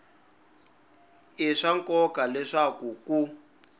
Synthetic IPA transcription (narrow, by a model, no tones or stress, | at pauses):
iʂaŋkɔkalɛʂakuku